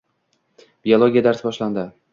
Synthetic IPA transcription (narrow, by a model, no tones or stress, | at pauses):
b̥iolˠoɡʲijad̪aɾsbɒʃland̪ɪ